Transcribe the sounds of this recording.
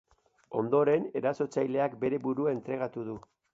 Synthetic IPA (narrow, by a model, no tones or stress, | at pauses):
o̞̰nd̪o̞ɾe̞ne̞ɾaso̞t͡sajle̞akbe̞ɾe̞buɾuae̞nt̪ɾe̞ɣ̞at̪uð̞u